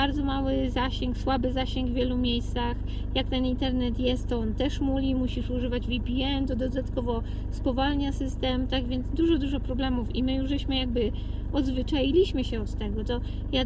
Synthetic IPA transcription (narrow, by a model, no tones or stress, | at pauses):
aɾd̪zɔmawɘzaɕɛŋkswabɘzaɕɛŋɡvʲjɛlumʲjejst̪sax | jakt̪ɛnint̪ɛɾnɛt̪jɛst̪t̪ːɔɔnt̪ɛʂmuvʲimuɕiʂuʐɘvad͡ʑvʲipʲiɛnd̪ɔd̪ɔd̪at̪kɔvɔ | spɔvalɲasɘst̪ɛmt̪aɡvʲjɛnzd̪uʐɔd̪uʐɔpɾɔblɛmufḭmɘjuʐzɛɕmɘjaɡ̚bɘɔd̪zvɘt͡ʂajilʲiɕmɘɕɛɔt̪ːɛɡɔt̪ɔ | ja